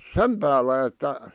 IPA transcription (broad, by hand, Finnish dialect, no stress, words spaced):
sem pæːlːæ etːæ